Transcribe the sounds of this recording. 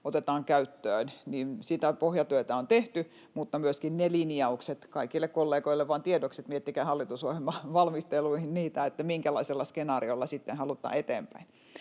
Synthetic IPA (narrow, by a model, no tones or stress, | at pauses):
ot̪et̪ɑːŋkæyt̪ːøːnniːnsit̪æpohjɑt̪yøˑt̪æont̪eht̪y | mut̪ːɑmyøskinnelinjɑukset̪kɑikilːekkolːeːɡoilːeʋʋɑːnt̪iedokset̪miet̪ːikæːhɑlːit̪usohelmɑʋɑlmist̪eluihinniːt̪æet̪ːæmiŋkælɑiselːɑskenɑːriolːɑsit̪ːenhɑlut̪ˑɑ̰ːet̪ḛːmpæ̰in